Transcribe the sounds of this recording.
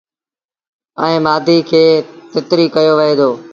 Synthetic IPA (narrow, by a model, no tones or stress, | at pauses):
ɛ̃ẽːmaːd̪ʱiːkʰeːt̪ɪt̪ɾiːkəjoːʋɪɦeːd̪oː